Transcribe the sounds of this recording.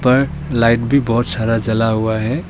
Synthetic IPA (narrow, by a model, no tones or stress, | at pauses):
pəɾ | laɪʈbʱibɔɦʊt̪saɾad͡ʒəlaɦuaɦɛ